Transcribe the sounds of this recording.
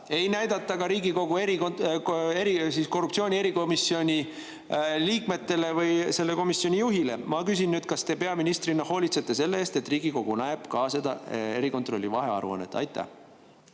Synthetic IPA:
e̞jnæjd̪ɑt̪ˑːɑɡɑɾiːɡiko̞ɡ̥ue̞ɾikoneɾisisko̞rːupt̪sio̞ːnʲie̞ɾiko̞misːio̞nʲi | liːkme̞t̪ːe̞le̞vɯjse̞lːe̞ko̞misio̞nʲijuɦile̞̰mɑkys̬inːyːd̪̥kɑst̪e̞pe̞ɑminist̪rinːɑho̞ːlʲit̪set̪ːe̞se̞lːeeːst̪e̞t̪ːˑriːɡ̥iko̞ɡ̥unæeb̥kɑse̞d̪ɑe̞ɾiko̞nt̪ro̞lːivɑɦe̞ɑ̰ɾṵɑ̰nːḛt̪ːˑɑ̰jt̪ːˑæ̰

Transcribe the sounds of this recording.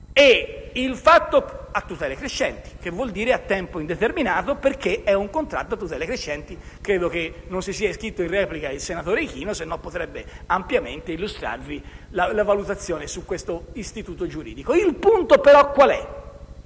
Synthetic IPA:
eilfat̪ːoat̪ːut̪ɛːlekɾeʃːɛnt̪i̥k̟evːwɔld̪iːɾeat̪ːɛmpoind̪et̪erminaːt̪operk̟ːeɛuŋkont̪ɾa̰t̪ːoat̪ːut̪ɛːlekɾeʃːɛnt̪i | kɾeːd̪okenːonsisiːaiskɾit̪ːoinrɛːplikailsenat̪oːɾek̟iːnosenːompot̪ɾɛbːeampjament̪eilːust̪ɾa̰rvilalavalut̪at̪sːjɔːnesukwest̪oist̪it̪uːt̪od͡ʒuɾiːd̪ikoilpunt̪opeɾɔkːwalɛ

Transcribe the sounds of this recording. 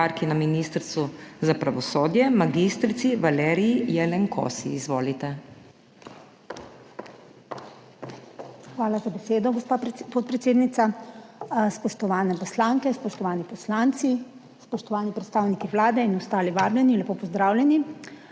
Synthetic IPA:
aɾkinaminist̪ɾt̪suzapɾaʋɔsoːd̪jɛmaɡist̪ɾit̪siʋalɛːɾiijɛlɛŋkʰo̰sḭːzʋoːlit̪ɛ | xʋaːlazabeseːd̪ɔɡɔspapot̪̚pɾɛt̪seːd̪nit̪sa | spɔʃt̪ɔʋaːnɛpɔslaːŋkɛspɔʃt̪ɔʋaːnipɔslaːnt̪si | spɔʃt̪ɔʋaːnipɾɛt̪st̪aːwnikiʋlaːd̪ɛinɔst̪aːliʋaːblɛninlɛpoːpɔzd̪ɾaːwlʲɛni

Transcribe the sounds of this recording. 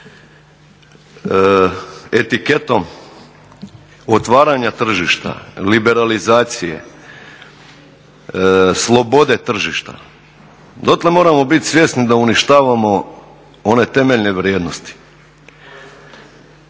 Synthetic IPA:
e̞t̪ike̞t̪o̞m | ot̪ʋaːɾaɲat̪r̩ʒiʃt̪a̰libe̞ɾalizaːt̪sije̞̰ | slˠo̞bo̞d̪e̞t̪r̩ʒiʃt̪a̰ | d̪ot̪lemo̞ːɾamo̞bit̪sʋje̞st̪nid̪auniʃt̪aːʋamo̞ | o̞ne̞t̪e̞meʎne̞ʋɾjeːd̪no̞st̪i̥

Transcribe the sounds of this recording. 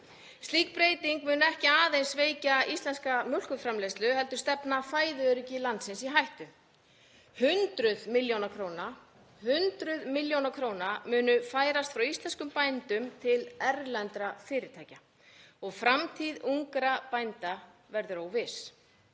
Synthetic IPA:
st̪liːk̚pɾeːjt̪iŋkmʏːnɛhcɪaːðejnsveːjcaist̪ɛnskamjœl̥kʏfɾamlejst̪lʏhɛlt̪ʏɾ̥st̪ɛpnafaːjðʏœɾʏcɪlant̪sɪnsiɦajht̪ʏ | hʏnt̪ɾʏðmɪljownakʰɾoːwna | hʏnt̪ɾʏðmiljownakʰɾoːwnamʏːnʏfaːjɾast̪fɾawist̪lɛnskʏmpajnt̪ʏmt̪ʰɪlɛɾlɛnt̪ɾafɪːɾɪɾt̪ʰaːjca | ɔɣfɾamt̪ʰiðuŋkɾapajnt̪avɛɾðʏɾoːwvɪs

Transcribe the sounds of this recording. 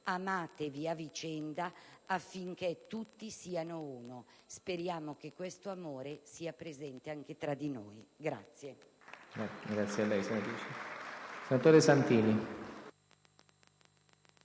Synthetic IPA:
amaːt̪eviavit͡ʃɛnd̪aafːiŋk̟et̪ːut̪ːisiːanouːnospeɾjaːmok̟ekːwest̪oamoːɾesiːapɾezɛnt̪eaŋk̟et̪ɾad̪inoːjɡɾa̰t̪sːje | ɛɡɾat̪sːjealːɛjsenat̪ut͡ʃisenat̪oːɾesant̪iːni

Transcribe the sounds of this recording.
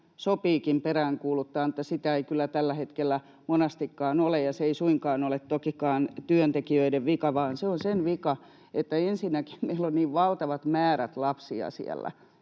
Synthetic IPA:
sopiːkimperæːŋkuːlut̪ːɑːnŭt̪ːæsit̪æeikylːˑæt̪ælːæhet̪kelːæ | monɑst̪ikːɑːnolejjɑseeisuiŋkɑːnolet̪t̪okikɑːnt̪yønt̪ekiøideʋʋikɑʋɑːnseonsenʋikɑ | et̪ːæensinːæki̥mmeilːonniːʋʋɑlt̪ɑʋɑt̪mæːɾæt̪lɑpsiɑ̰sḭɛ̰lːæ̰

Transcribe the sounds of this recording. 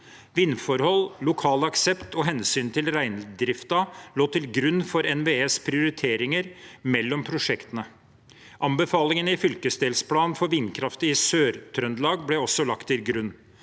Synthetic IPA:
ʋɪnːfɔɾhɔlːʊkʰɑːlɑksɛpt̪ɔɦɛnsyːnt̪ʰɪlɾæɪnd̪ɾɪft̪ɑloːt̪ʰɪlɡɾʉnːfɔɾɛnʋeːeːspʰɾɪʊɾɪt̪ʰeːɾɪŋəɾmɛlːɔmpʰɾʊʂɛkt̪ənə | ʔɑmbəfɑːlɪŋənɪfʏlkəsd̪eːlspʰlɑːnfɔɾʋɪnkʰɾɑft̪əɪsøːɾt̪ʰɾœnd̪lɑːɡblɛɔsɔlɑkt̪ːɪlɡɾʉnː

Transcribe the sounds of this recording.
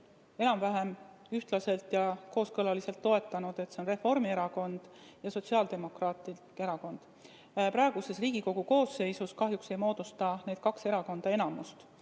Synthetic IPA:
e̞nɑmvæɦem | yht̪lɑse̞lt̪ˑjɑko̞ːskɤlɑlise̞lt̪ːo̞e̞t̪ːˑɑnud̪̥e̞t̪ːseonre̞fo̞rmie̞ɾɑko̞nd̪̥ | jɑso̞tsiɑld̪̥e̞mo̞krɑːt̪ˑi | e̞ɾɑko̞nd̪̥ | pɾɑeɡ̥use̞sriːɡ̥iko̞ɡ̥uko̞ːsːe̞jsuskɑɦjukse̞jmo̞ːd̪̥ust̪ɑned̪̥̚kɑkse̞ɾɑko̞nd̪̥ɑe̞nɑmust̪

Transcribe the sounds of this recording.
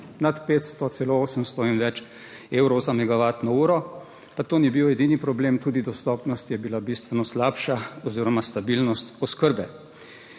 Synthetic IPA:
nat̪peːt̪st̪ɔt̪sɛlooːsəmst̪ɔinʋɛt͡ʃ | eːwɾɔzamɛɡaʋaːt̪nɔuːɾɔ | pat̪oːnibiwɛd̪inipɾɔbleːmt̪uːd̪id̪ɔst̪ɔːpnɔst̪jɛbilabist̪ʋɛnɔslaːpʃaɔziːɾɔmast̪abilnɔst̪ɔskəɾbɛ

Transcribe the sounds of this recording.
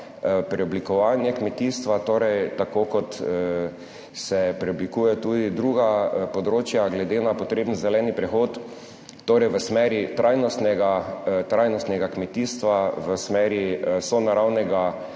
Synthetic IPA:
pɾɛɔblikɔʋaːnjɛkmɛt̪iːst̪ʋat̪oːɾɛjt̪akokɔt̪ | sɛpɾɛɔblikuːjɛt̪ud̪id̪ɾuːɡapod̪ɾoːt͡ʃjaɡlɛd̪enapot̪ɾeːbnzɛlɛːnipɾɛxoːt̪ː | oːɾɛjʋəsmɛɾit̪ɾʔajnɔst̪nɛɡat̪ɾajnɔst̪nɛɡakmɛt̪iːst̪ʋaʋəsmɛːɾisɔnaɾawnɛɡa

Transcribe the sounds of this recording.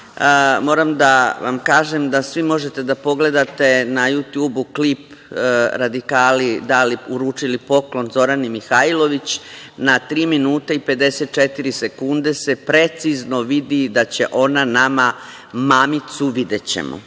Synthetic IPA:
mo̞ːɾamd̪aʋa̰mkaːʒemd̪asʋimo̞ʒet̪e̞d̪apo̞ɡle̞d̪at̪e̞najut̪juːbuklip | ɾad̪ikaːlid̪aliuɾuːt͡ʃilipo̞klˠo̞nzo̞ɾanimixailo̞ʋit͡ɕ | nat̪ɾiːminuːt̪eipe̞d̪e̞set̪̚t͡ʃet̪iɾisekund̪e̞se̞pɾe̞t̪sizno̞ʋid̪id̪at͡ɕe̞ʔo̞nanama | maːmit̪suʋid̪e̞t͡ɕe̞̰mo̰

